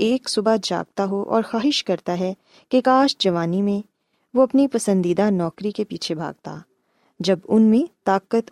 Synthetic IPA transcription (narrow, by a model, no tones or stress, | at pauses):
eːksʊbad͡ʒa̰ːɡ̚t̪aɦoʔɔ̰ːɾxaːɦɪʃkɐɾt̪aɦɛ | kekaːʃd͡ʒɐʋaːnimẽ | ʋoɐpnipɐsə̃nd̪id̪anɔːkɾikepiːt͡ʃʰebʱa̰ːɡ̚t̪a̰ː | d͡ʒɐbʊnmẽt̪aːkət̪